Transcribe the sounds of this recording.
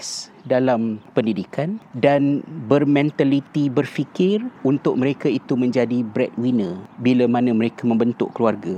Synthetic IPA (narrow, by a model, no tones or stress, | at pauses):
sdalampəndidikandanbərmɛ̃nt̪alit̪ibərfikɪrunt̪ʊk̚mə̃ɾekait̪umə̃ɲd͡ʒadibɾɛt̚winəbilamãnãmə̃ɾekamə̃mbənt̪ʊ̰ʔkluarɡa